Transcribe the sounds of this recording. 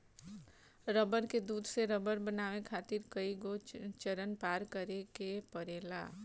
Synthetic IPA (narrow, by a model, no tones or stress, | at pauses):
ɾəbəɾked̪uːd̪ʱseɾəbəɾbənaːʋekʰaːt̪ɪɾkəiɡot͡ʃəɾənpaːɾkəɾekepəɾeːla̰ː